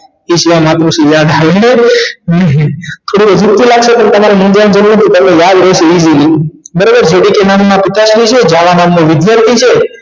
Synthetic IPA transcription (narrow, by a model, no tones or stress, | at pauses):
iʃʋãmat̪ɾusijad̪ʱaʋeneənet̪ʰoɽuəd͡ʒuk̚t̪ʰilaɡʃepəɳt̪əmaɾimind͡ʒand͡ʒənmət̪ʰit̪əmnejad̪ɾɛʃeizili | bəɾobəɾd͡ʒeɽikenamːãpɪt̪aʃlit͡ʃʰed͡ʒaʋanamːõʋɪd̪jaɾt̪ʰit͡ʃʰe